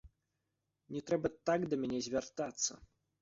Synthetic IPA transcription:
nʲɛt̪ɾɛbɐt̪aɡd̪ɐmʲanʲɛzʲvʲart̪at̪sːɐ̰

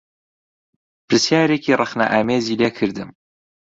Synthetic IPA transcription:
pʰɨɾsjaːɾeːkʰiːrˤɨxna̰ʔaːmeːziːleːkʰɨɾd̪ɨm

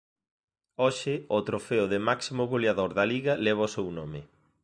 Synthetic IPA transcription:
oʃɪot̪ɾofeʊðɪmaksimoɣoljaðoɾðɐliɣɐlɛβ̞ɐosewnomɪ

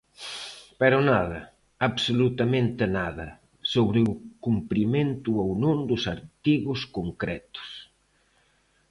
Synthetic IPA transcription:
pɛɾʊnaðɐ | aβsolut̪amẽnt̪ɪnaðɐ | soβɾɪʊkumpɾimẽnt̪ʊownõnd̪ʊsaɾt̪iɣʊskoŋkɾɛt̪ʊ̥s

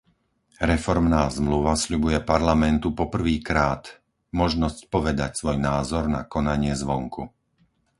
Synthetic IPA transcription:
ɾɛfɔɾmnaːzmluʋasʎubujɛpaɾlamɛnt̪upɔpr̩ʋiːkɾaːt̪ | mɔʒnɔscpɔʋɛd̪acsʋɔjnaːzɔɾna̰kɔnaɲɪɛzʋɔŋku

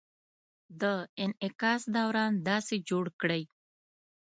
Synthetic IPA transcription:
d̪əɪnɪkɑːsd̪awɾɑːnd̪ɑːsid͡ʒoɽkɽəj

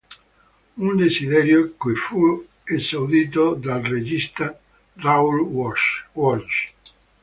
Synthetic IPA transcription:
und̪ezid̪ɛɾjokujfu | ezawd̪iːt̪̬od̪alred͡ʒist̪a | raul | wɔt͡ʃ

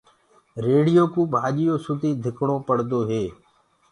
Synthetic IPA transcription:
ɾeːɽɪjoːkũːbʱaːʄɪjoːsʊt̪iːd̪ʱɪkɽõːpəɽd̪oːɦeː

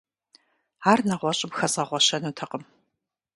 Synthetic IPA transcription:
aːrnɐʁʷɔɕʼɪmxɐzʁɐʁʷɔɕɐnuːtʰɐqəm

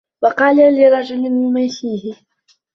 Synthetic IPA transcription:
wɑqɑːlalɪɾˤɑd͡ʒʊmɪnmʊmajʃiːhɪ

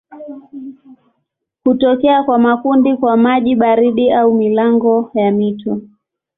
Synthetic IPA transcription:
hutɔkɛakwamakundikwamaʄiɓaɾiɗiaumilaŋɡɔjamitɔ

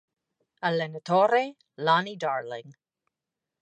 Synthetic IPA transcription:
alɛnət̪ʰoːɾe | laːnidaːɹlɪ̰ŋ

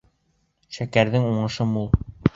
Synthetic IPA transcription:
ʃækæɾðɘŋuɴɤ̆ʃɤmulˠ

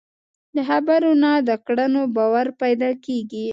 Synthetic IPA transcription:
d̪əɦabaɾonad̪əkɽanobɑwaɾpajd̪ɑkeɡi

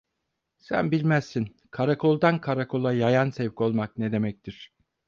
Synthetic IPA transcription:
sæ̰nbilʲmæzsin | kʰaɾakʰo̞lˠd̪ankʰaɾakʰo̞lˠajajansɛvcʰo̞lˠmaknɛd̪e̞mɛc̚t̪ʰiɾ̥

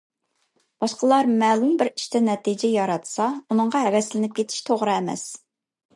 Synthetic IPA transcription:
b̥ɑʃqəlˠɑɾmɛːlumbɪɾiʃt̪ʰɛnɛt̪ʰid͡ʒɛjɑɾɑt̪sɑunɨŋʁɑɦɛwɛslɪnɪp̚kʲʰet̪ʰɪ̥ʃt̪ʰoʁɾɨɛmɛ̰s

